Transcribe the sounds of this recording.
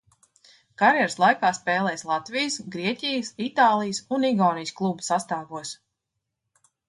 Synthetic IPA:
kaɾjɛɾslˠajkaːspɛːlˠɛjslˠat̪vijsɡɾiɛcʲijəsit̪aːlˠijsuniɡɔːnijsklˠubsast̪aːɡuɔs

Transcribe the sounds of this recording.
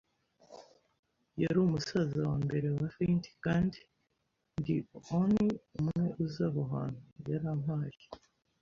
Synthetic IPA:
jaɾumusazawaːmbe̞ɾe̞wafinti̥kaːndi | ndioniumŋe̞ʔuzaβoɦa̰ːn̥ujaɾam̥haːʒi̥

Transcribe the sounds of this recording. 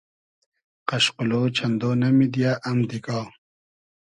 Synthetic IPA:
qaɕquloːt͡ɕʰand̪oːnɐmid̪jaʔɐmd̪ika

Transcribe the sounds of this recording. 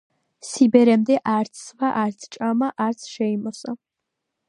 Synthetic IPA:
sibɛɾɛmd̪ɛʔaɾt̪sʰːvaʔaɾt̪sʰt͡ʃʼamaʔaɾt̪sʰʃɛimɔsʼa

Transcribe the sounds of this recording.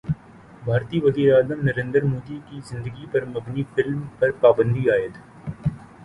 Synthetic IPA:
bʱaːɾt̪iːʋɐziːɾaːzəmnɐɾẽːnd̪əɾmoːd̪ikizɪ̃nd̪əɡipɐɾmɐbnifɪlmpɐɾpaːbə̃nd̪iaːət̪

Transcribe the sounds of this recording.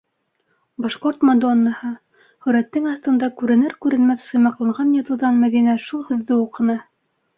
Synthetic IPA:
bɑʃqoɾt̪mod̪onːɑhɤ | hɵ̆ɾæt̪ːɘŋɑθt̪ɤ̆nd̪ɑkʉɾɘ̆nɘɾkʉɾɘ̆nmæθsɤ̆jmɑqlˠɑɴʁɑnjɑt̪ɤ̆wðɑnmæðinæʃulˠhɵ̆ðːɘuqɤ̆nɤ

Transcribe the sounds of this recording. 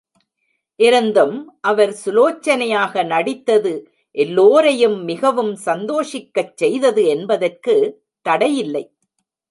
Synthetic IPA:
ʔɪɾɐnd̪ɯmʔɐʋɐɾsʊloːt͡ʃːɐnɐjaːɣɐnɐɽɪt̪ːɐðɯ | ʔɛlːoːɾɐjɯmːɪɣɐʋɯmsɐnd̪oːʂɪkːɐt͡ʃːɛjðɐðɯɛnbɐðɐrkɯ | t̪ɐɽɐjɪlːɐɪ

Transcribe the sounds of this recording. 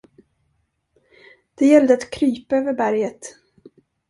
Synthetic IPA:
d̪̥ɛjɛlːd̪əat̪kʰɾyːpaøːvəɾbæɾjət̪

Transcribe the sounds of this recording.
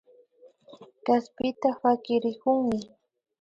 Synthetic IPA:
kaspɪt̪awakɪɾɪkʊŋmɪ

